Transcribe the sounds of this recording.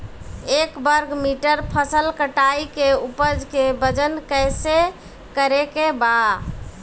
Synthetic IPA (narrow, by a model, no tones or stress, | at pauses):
ekbəɾɡmiʈəɾpʰəsəlkəʈaikeupəd͡ʒkebəd͡ʒənkəjse | kəɾekeba